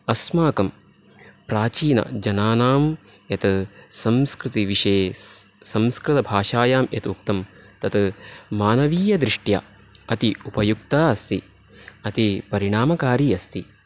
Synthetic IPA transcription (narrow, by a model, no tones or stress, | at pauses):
ɐsmaːkɐm | pɾaːt͡ʃiːnɐ̰d͡ʒɐnaːnaːm | jɐt̪sɐmskɾɪt̪iʋiʂɐesɐmskɾɪt̪ɐbʱaːʂaːjaːmjɐt̪uk̚t̪ɐmt̪ɐt̪maːnɐʋiːjɐd̪ɾiʂʈja̰ | ɐt̪iupɐjuk̚t̪aːɐst̪i | ɐt̪ipɐɾiɳaːmɐkaːɾiːɐst̪i